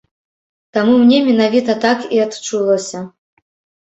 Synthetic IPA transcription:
t̪amumnʲɛmʲɛnavʲit̪ɐt̪akiat̪t͡ʂulˠɐsʲɐ

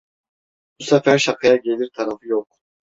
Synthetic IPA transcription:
b̥usafæɾʃakʰɯjaɟe̞lʲiɾt̪ʰaɾafɯjok̚

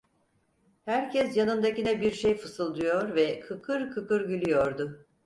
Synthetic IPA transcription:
hæɾcʰɛsjanɯnd̪acinɛbiɾʃejfɯsɯlˠd̪ujoɾvɛkʰɯkʰɯɾkʰɯkɯɾɟylʲyjoɾd̪ʊ

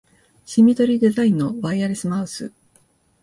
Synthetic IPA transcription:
ɕimʲit̪o̞ɾʲid̪e̞zaĩnːo̞baiaɾʲesɨmaɯsɨ̰

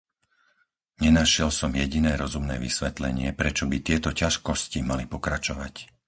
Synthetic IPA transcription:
ɲɛnaʃɪɛlsɔmjɛɟinɛːɾɔzumnɛ̰ːʋisʋɛt̪lɛ̰ɲɪɛpɾɛt͡ʃɔbit̪ɪɛt̪ɔcaʃkɔscimalipɔkɾat͡ʃɔʋac

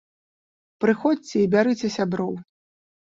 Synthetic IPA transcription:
pɾɨxɔt͡sʲt͡sʲɛibʲaɾɨt͡sʲɛsʲabɾɔw

